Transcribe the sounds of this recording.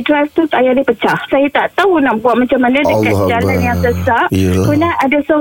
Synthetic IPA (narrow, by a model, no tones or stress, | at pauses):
dɾajft̪ut̪ajadipət͡ʃahsajat̪aʔt̪aunaʔbuat̪̚mat͡ʃamanadəkakdalanjaŋsəsaʔkunaadasɔ